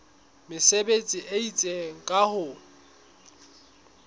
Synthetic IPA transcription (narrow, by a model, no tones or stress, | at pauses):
mɪsebet͡sʼɪʔeit͡sʼeŋ̩kʼahʊ